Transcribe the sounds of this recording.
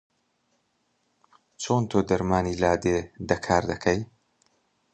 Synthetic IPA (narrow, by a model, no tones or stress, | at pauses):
t͡ʃʰoːnt̪ʰoːd̪ɐɾmaːniːlaːd̪ed̪ɐkʰaːɾd̪ɐkʰɐj